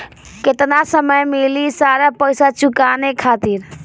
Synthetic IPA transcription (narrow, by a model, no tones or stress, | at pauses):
ket̪nasəməjmilisaɾapəjsat͡ʃukanekʰat̪iɾ